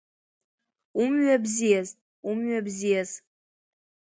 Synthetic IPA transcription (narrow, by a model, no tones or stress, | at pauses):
umɥabzijaz | umɥabzijaz